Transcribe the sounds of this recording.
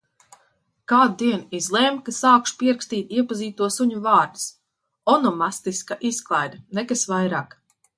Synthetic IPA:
kaːd̪̚d̪iɛnizlˠɛmkasaːkʃu̥piɛɾkst̪iːt̪iɛpaziːt̪uɔsuɲuvaːɾd̪s | ɔnɔmast̪iskaʔisklˠajd̪nɛkasvajɾaːk

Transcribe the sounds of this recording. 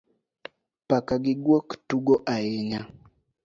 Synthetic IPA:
pakaɡiɡwɔktuɡɔʔajɛɲa

